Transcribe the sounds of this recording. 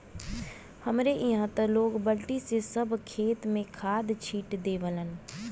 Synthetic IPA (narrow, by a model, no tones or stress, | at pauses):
həmɾeʔɪɦãt̪ɐloːkbɐɽʈisesɐbʱkʰeːt̪mẽkʰaːd̪t͡ʃʰiːʈd̪eːʋələnɪ̆